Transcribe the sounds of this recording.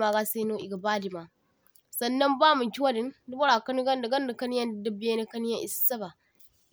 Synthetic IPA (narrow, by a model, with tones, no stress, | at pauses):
ma˨ɡa˦se˦no˦ʔi˨ɡɐ˨ba˦di˨ma˨ | sɐ˨nːɐ˦mbaː˦mu˨kʲi˦wa˦dɪ˨˦ndu˦bɐ˦ɾa˨kɐ˦n˦ɡɐ˦nda˨ɡɐ˦nda˨kɐ˦n˦jɐ˦n˨dɐ˦bi˦je˦ne˦kɐ˦n˦jɐ˦ʔi˨ssɐ˦ba˨